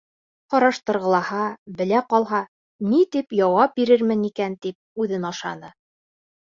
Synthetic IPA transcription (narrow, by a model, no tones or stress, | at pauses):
qɒɾɑʃt̪ɤ̆ɾʁɤ̆lˠɑhɑbɘ̆læqɒlˠɦɑ | nit̪ipjɒwɑp̚biɾɘɾmɘnikænt̪ip̚ʉðɘnɑʃɑ̰nɤ